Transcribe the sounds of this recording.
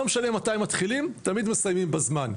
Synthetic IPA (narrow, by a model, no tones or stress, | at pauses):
omʃalemːataimat̪χilimt̪amid̪me̞sajmimbazman